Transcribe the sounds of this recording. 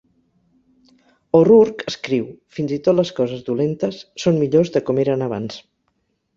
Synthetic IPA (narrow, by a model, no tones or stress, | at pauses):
oruɾkəskɾiwfinzit̪ot̪ləskɔzəzðulent̪əsːonmiʎozðəkɔmeɾənəβ̞ans